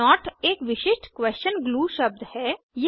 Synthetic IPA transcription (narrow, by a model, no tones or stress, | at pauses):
ɔːʈeːkʋɪʃɪʃʈkʋɛːst͡ʃənɡluːʃəb̚d̪hɛː | je